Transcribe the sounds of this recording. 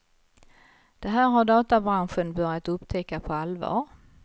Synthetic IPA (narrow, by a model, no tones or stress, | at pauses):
d̪̥ɛɦæːɾɦaɖɑːt̪abɾanɧənbœɾjat̪ɵpːt̪ʰɛkːapʰɔalvɑ̰ːɾ